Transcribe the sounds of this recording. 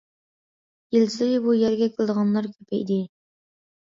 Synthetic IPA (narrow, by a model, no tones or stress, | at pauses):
jilsɪɪbujɛɾɡʲɛkʲʰɪlˠd̪əʁɑnlˠɑɾkʲʰøpʰɛ̰jd̪ɪ